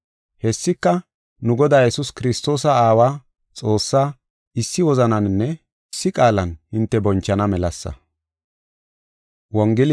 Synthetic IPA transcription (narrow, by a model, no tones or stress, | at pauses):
hɛsːɪkːɐ | nʊɡɔd̪aːjɛsʊskɪɾɪst̪o̞ːsɐaːwaː | t͡sʼo̞ːsːaː | ɪsːɪwɔzɐnɐnnːɛ | sːɪkʼaːlɐnhɪnt̪ːɛbɔnt͡ʃːɐnɐmɛlɐsːɐ̰ | wɔŋɡɪl